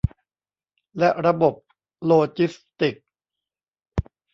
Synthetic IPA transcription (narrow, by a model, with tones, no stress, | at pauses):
lɛ˦˥ʔɾa˧bo˨˩p̚ | loː˧t͡ɕi˦˥st̪i˨˩k̚